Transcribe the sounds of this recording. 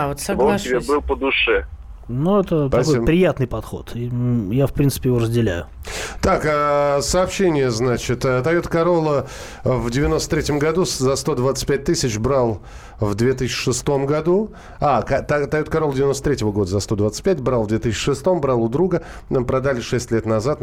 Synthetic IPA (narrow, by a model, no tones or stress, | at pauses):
avot̪sɐvˠɪbʲebɨlˠpəd̪ʊʂɛnuɛt̪əpɐskoibpɾʲɪjat̪nɨjpɐt̪xo̰t̪ʰijafpɾʲintsɨ̥pʲɪjɪvoɾəzʲdʲɪlʲæ̰jʊt̪akəsɐːpɕːenʲɪjəznat͡ɕɪt̪ət̪ɐjot̪kɐɾo̞lˠə | vdʲɪvʲɪno̞st̪ə̥t̪ɾʲetʲɪmɡɐd̪uszɐst̪o̞d̪vat̪sɨ̥t̚ʲpʲæt̚ʲt̪ɨsʲɪt͡ɕbɾalˠ | vd̪vʲet̪ɨs̬ʲɕːɪ̥ʂɨst̪o̞mɡɐd̪u | akt̪t̪ajot̪kaɾolˠdʲɪvʲɪnost̪ət̪ɾʲetʲɪvəɡo̞d̪əzɐst̪o̞d̪vat̪sɨ̥tʲpʲætʲbɾalˠvd̪vʲet̪ɨsɪɕːɪ̥ʂɨst̪o̞mbɾalˠʊd̪ɾuɡə | pɾɐd̪alʲɪʂɛsʲtʲlʲet̪nɐzat̪